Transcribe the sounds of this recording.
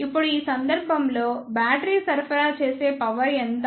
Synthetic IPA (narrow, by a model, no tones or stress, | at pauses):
ipːuɽuiːsɐnd̪ɐɾbʱɐmlo̞ːbaːʈɐɾiːsɐɾpʰɐɾaːt͡ʃeːse̞ːpɐʋɐɾɛnt̪